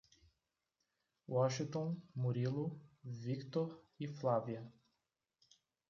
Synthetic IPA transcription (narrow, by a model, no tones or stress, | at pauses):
wɔʃĩŋt̪õmoɾilʊvikt̪oɾ | iflaviɐ